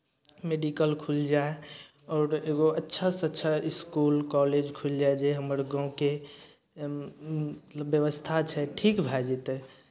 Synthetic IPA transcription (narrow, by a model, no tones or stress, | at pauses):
meɖikəlkʰuld͡ʒae | ɔːɾeɡoətːʃʰasətːʃʰaɪskulkɔled͡ʒkʰuld͡ʒaed͡ʒeɦəməɾɡãũke | ət̪ləbjəʋəst̪ʰat͡ʃʰɛʈʰikbʱad͡ʒet̪ɛ